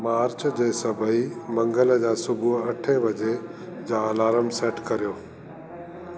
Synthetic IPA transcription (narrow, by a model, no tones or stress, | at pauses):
maːɾt͡ɕd͡ʑeːsɐbʱəimɐ̃ŋɡələd͡ʑaːsʊbʱuɦɐʈʰeʋɐd͡ʑed͡ʑãːlaːɾəmseːʈkɐɾijoː